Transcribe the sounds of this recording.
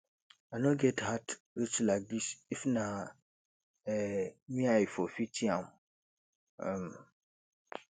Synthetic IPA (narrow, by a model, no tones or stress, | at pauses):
anõɡɛthat | ɾit͡ʃlaɡisifnã | ɛmĩaifɔfitʰiãm | əm